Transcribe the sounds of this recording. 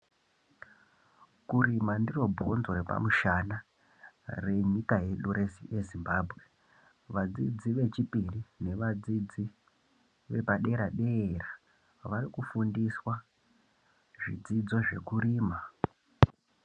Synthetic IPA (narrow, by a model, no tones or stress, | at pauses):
kuɾimandiro̞bʱonzoɾepa̰muʃana | re̞ɲikaje̞ɗuɾesḭje̞zimbaːbʱɣe | ʋad͡zid͡ziʋe̞t͡ʃipirine̞ʋad͡zid͡zi | ʋe̞paɗe̞ɾaɗe̞ːra | ʋaɾikufundiswa | ʐid͡zid͡zo̞ʐe̞̰kuɾiːma